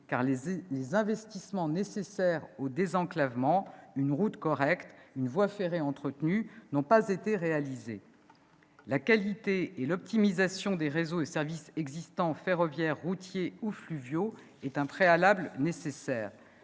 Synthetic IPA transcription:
ka̰ʁllezɛ̃vɛst̪ismɑ̃nesesɛʁod̪ezɑ̃klavmɑ̃ynʁut̪kɔʁɛkt̪ynvwafeʁeɑ̃t̪χət̪nynɔ̃pazet̪eʁealizḛ | lakalit̪eelɔp̚t̪imizasjɔ̃d̪eʁezoesɛʁvisɛɡzist̪ɑ̃feʁɔvjɛʁːut̪jeuflyvjo | ɛt̪ɛ̃pχealablnesesɛːʁ

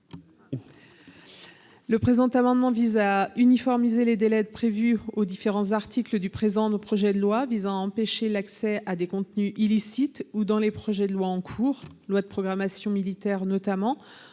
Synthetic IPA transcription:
ləpχezɑ̃t̪amɑ̃d̪mɑ̃vizaynifɔʁmizeled̪elɛd̪pχevyod̪ifeʁɑ̃zaʁt̪ikləd̪ypχezɑ̃d̪opχɔʒɛd̪əlwavizɑ̃aɑ̃peʃelaksɛad̪ekɔ̃t̪nyʔilisit̪ud̪ɑ̃lepχɔʒɛd̪əlwaɑ̃kʰuːʁ | lwad̪əpχɔɡʁamasjɔ̃milit̪ɛʁnɔt̪amɑ̃

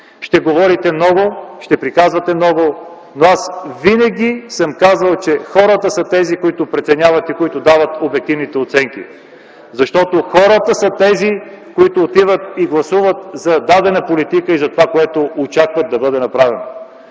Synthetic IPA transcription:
ʃt̪ɛɡovɔɾit̪ɛmnɔɡoʃt̪ɛpɾikazvɐt̪ɛmnɔɡo | noasvinɐɡʲisəmkazvɐlˠt͡ʃɛxɔɾət̪əsɐt̪ɛzikoit̪ʊpɾɛt̪sɛnʲjavɐt̪ikoit̪ʊd̪avət̪obɛk̚t̪ivnit̪ɛot̪sɛŋk̟ḭ | zɐʃt̪ɔt̪oxɔɾət̪əsɐt̪ɛzi | koit̪ʊːt̪ivət̪iɡlˠɐsuvət̪zɐd̪ad̪ɛnɐpolit̪ikəizɐt̪ovakoɛt̪oot͡ʃakvəd̪ɐbɤd̪ɛnɐpɾavɛno̰

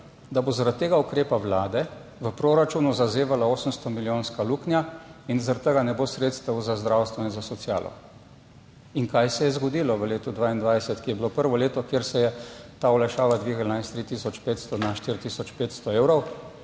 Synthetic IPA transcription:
d̪abozaɾat̪ːeːɡaukɾeːpaʋlaːd̪ɛ | ʋəpɾoɾat͡ʃunuzazeːʋalaoːsəmst̪ɔmiljoːnskaluknjainzaɾat̪ːəɡanɛbosɾeːt̪st̪əwzazd̪ɾawst̪ʋɔinzasɔt̪siaːlɔ̰ | iŋkajsɛjɛzɡɔd̪iːlɔʋəleːt̪ud̪ʋaːind̪ʋajsɛt̪kijɛbilopəɾʋɔleːt̪ɔkjeːɾsɛjɛt̪aɔlajʃaːʋad̪ʋiːɡalnajst̪ɾit̪isɔt͡ʃpeːt̪st̪ɔnaʃt̪iɾt̪isɔt͡ʃpeːt̪st̪ɔeːwɾɔw

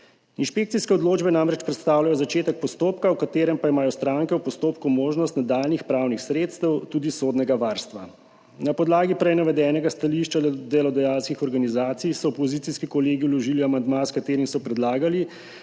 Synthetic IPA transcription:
inʃpek̚t̪siskɛɔd̪loːd͡ʒbɛnamɾɛt͡ʃpɾɛt̪st̪aːwlajɔzat͡ʃeːt̪ɛk̚pɔst̪oːpkawkat̪eːɾɛmpaimaːjɔst̪ɾaːŋkɛwpɔst̪oːpkumoːʒnɔst̪nad̪aːlnixpɾawnixsɾeːt̪st̪ɛwt̪uːd̪isoːd̪nɛɡaʋaːɾst̪ʋa | napɔd̪laːɡipɾɛjnaʋɛd̪ɛːnɛɡast̪aliʃt͡ʃad̪ɛlɔd̪ɛjaːlskixɔɾɡanizaːt̪sijsɔɔpɔziːt̪iskikɔleːɡiwlɔʒiːliamand̪maskat̪eːɾimsɔpɾɛd̪laːɡali

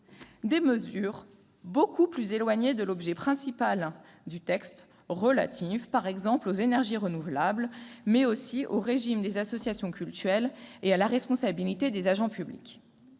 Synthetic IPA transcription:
d̪eməzyʁ | bokʰuplyzelwaɲed̪əlɔbʒɛpχɛ̃sipal | d̪yt̪ɛkst̪ | ʁəla̰t̪ʰifpaʁɛɡzɑ̃plozenɛʁʒiʁənuvlablmɛosioʁeʒimd̪ezasɔsjasjɔ̃kʲylt̪yʁɛlealaʁɛspɔ̃sabilit̪ed̪ezaʒɑ̃pyblḭkʲ

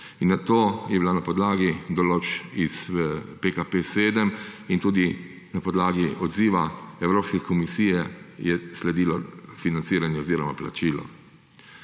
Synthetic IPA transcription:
inːat̪oːjɛbilanapɔd̪laːɡid̪ɔloːt͡ʃispekapeseːd̪əmint̪uːd̪i | napɔd̪laːɡiʔɔd̪ziːʋaɛwɾoːpskɛkʰɔmisiːjɛjɛslɛd̪iːlɔfinant̪siːɾanjɛɔziːɾɔmapla̰t͡ʃiːlɔ̰

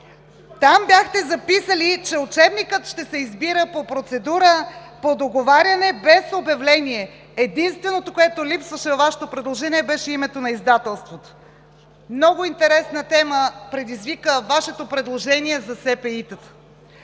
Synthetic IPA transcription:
t̪ambʲjaxt̪ɛzɐpisəlit͡ʃɛʊt͡ʃɛbnikət̪ʃt̪ɛsɛizbiɾəpopɾot̪sɛd̪uɾə | pod̪oɡovaɾʲjɐnɛbɛsobɐvlɛniɛ | ɛd̪inst̪vɛnot̪okoɛt̪olipsvəʃɛvɐvaʃɛ̥t̪opɾɛd̪lˠoʒɛniɛbɛʃɛimɛt̪onɐizd̪at̪ɛlˠst̪vot̪o̥ | mnɔɡoint̪ɛɾɛsnət̪ɛməpɾɛd̪izvikəvaʃɛt̪opɾɛd̪lˠoʒɛniɛzɐsɛpɛit̪ət̪ə̥

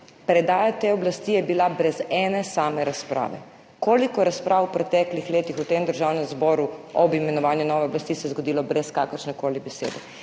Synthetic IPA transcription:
pɾɛd̪aːjat̪eɔblast̪ijɛbilabɾɛzɛːnɛsaːmɛɾaspɾa̰ːʋɛ̰ | koːlikɔɛɾaspɾʔaːwwpɾɛt̪ɛːklixleːt̪ixut̪eːmd̪əɾʒawnɛmzbɔːɾuɔbimɛnɔʋaːnjunɔːʋɛɔblast̪isɛzɡɔd̪iːlɔbɾɛskakəɾʃnɛkoːlibɛsḛːd̪ɛ

